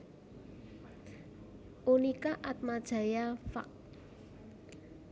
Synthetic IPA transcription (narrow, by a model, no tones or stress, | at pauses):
ʔonikaʔat̪̚mad̥ʒ̥a̤jafa̰k̚